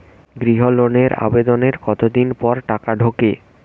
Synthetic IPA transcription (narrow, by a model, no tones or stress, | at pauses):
ɡɾiɦoloneɾa̰bed̪oneɾkɔt̪od̪inpɔɾʈakaɖʱoke